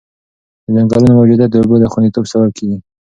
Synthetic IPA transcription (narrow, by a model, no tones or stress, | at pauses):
əzaŋɡɑlunomawd͡ʒud̪ad̪əubod̪əxwand̪it̪obsabab̚kʰeɡi